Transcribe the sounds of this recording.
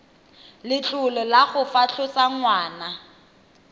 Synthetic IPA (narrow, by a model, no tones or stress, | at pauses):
lɪt͡ɬʼʊlɛlaɣʊfaɬʰʊt͡saŋwaːna